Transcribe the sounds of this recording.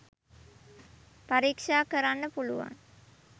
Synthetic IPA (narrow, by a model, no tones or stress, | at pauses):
paɾikʂaːkəɾanːəpuluʋa̰ŋ